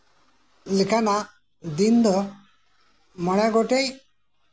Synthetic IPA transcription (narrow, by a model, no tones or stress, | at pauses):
likʰana | d̪ind̪ə | məɽaɡoʈej